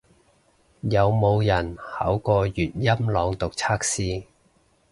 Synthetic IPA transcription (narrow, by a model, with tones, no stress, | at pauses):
jɐ˨˧wmo˨˧wjɐ˨˩nhɐ̰ː˨˥wkɔː˧jyː˨t̚jɐ˥mlɔː˨˧ŋt̪ʊ˨k̚t͡sʰaː˥k̚siː˥